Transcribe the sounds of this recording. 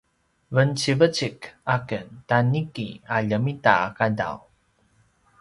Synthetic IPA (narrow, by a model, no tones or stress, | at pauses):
vənt͡ɕivət͡ɕikakəntanikḭaʎəmita̰kada̰w